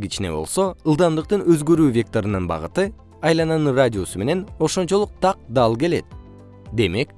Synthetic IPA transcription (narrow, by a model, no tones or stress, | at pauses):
ɡit͡ʃine̞̰bo̞̰lˠso̞ɯlˠd̪ɑmd̪ɯq̚t̪ɯnø̞zɡø̞ɾyːvʲe̞k̚t̪o̞ɾɯnɯnbɑ̰ʁɯt̪ɯ | ɑjlˠɑnɑnɯradʲio̞sume̞ne̞no̞ʃo̞nt͡ʃo̞lˠuq̚t̪ʰɑq̚d̪ɑlˠke̞le̞̰t̪̚ | d̪e̞me̞k